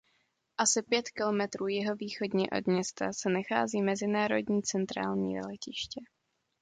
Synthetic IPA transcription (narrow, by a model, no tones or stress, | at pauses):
ʔasɪpjɛt̪kɪlo̞mɛt̪ɾuːjɪɦo̞viːxo̞dɲɛʔo̞̰dmɲɛst̪asɛnaxa̰ːziːmɛzɪnaːɾo̞̰dɲiːt͡sɛnt̪ɾa̰ːlɲḭːlɛcɪʃcɛ